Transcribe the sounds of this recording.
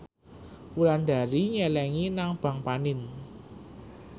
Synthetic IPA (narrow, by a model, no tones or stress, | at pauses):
wuland̪̥a̤ɾiɲɛlɛŋinaŋb̥ä̤ŋpanɪn